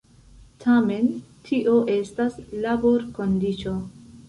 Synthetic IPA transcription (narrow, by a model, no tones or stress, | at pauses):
tʰame̞ntʰiʔoʔe̞staslaboɾkondit͡ʃo̞